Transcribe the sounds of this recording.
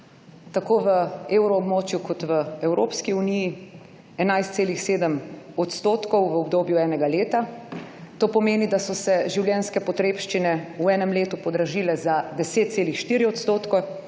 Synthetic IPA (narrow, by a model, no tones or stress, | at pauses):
t̪akoːʋəeːwɾɔːbmoːt͡ʃjukʰɔt̪ʋəɛwɾo̰ːpskiuniji | ɛnajst̪seːlixseːd̪əmɔt̪st̪oːt̪kɔwʋəɔbd̪oːbjuɛːnɛɡaleːt̪a | t̪oːpɔmeːnid̪asɔsɛʒiwljɛːnskɛpɔt̪ɾeːpʃt͡ʃinɛuɛːnɛmleːt̪upɔd̪ɾaʒilɛzad̪ɛseːt̪̚seːlixʃt̪iːɾiɔt̪st̪oːt̪kɔ